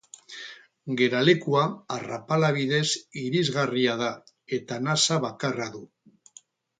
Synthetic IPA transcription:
ɡe̞ɾale̞kuaarapalaβ̞iðe̞siɾizɣariað̞a | e̞t̪anasaβakaraðu

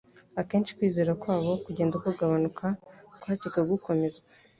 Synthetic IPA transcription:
ake̞ːnʃi̥kwiːze̞ːɾakwaːβo̞kuɟe̞ːndakouɡaβanukʰakwaːciɡaɡuko̞me̞zɡa

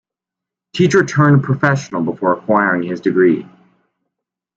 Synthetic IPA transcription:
tʰit͡ʃə˞tʰɜ̃˞npʰɹ̥əfɛʃn̩l̩ˠbəfɔɹəkʰw̥aɪɹɪ̃ŋɪzdɨɡɹi

